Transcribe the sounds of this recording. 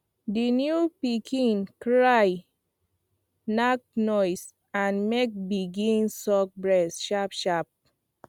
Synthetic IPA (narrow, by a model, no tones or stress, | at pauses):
dinjupikʰĩnkɹaj | nak̚nɔɪs | ãnmek̚biɡĩnsɔk̚bɹɛsʃapʃap̚